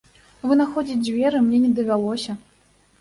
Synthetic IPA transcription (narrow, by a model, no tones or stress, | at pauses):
vɨnaxɔd͡zʲit͡sʲd͡zʲvʲɛɾɨmnʲɛnʲɛd̪ɐvʲalˠɔsʲɐ